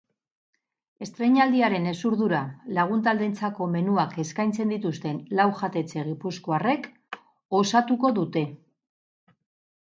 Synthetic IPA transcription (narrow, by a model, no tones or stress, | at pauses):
e̞st̪ɾe̞ɲald̪iaɾe̞ne̞suɾðuɾalaɣ̞unt̪ald̪e̞nt͡sako̞me̞nuake̞skajnt͡se̞nd̪it̪ust̪e̞nlawʝat̪e̞t͡se̞ɣ̞ipusko̞are̞k | o̞sat̪uko̞ðut̪e̞